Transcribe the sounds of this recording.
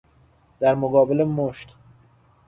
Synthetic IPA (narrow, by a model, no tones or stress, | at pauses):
d̪æɾmoɡɒːbelemoʃt̪